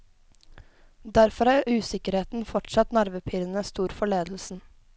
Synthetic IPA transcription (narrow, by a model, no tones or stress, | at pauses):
d̪æɾfɔɾæːɾʔʉːsɪkəɾheːt̪n̩fɔʈsɑt̪nɑɾʋəpʰiːɾən̩əst̪uːɾfɔɭeːd̪l̩sn̩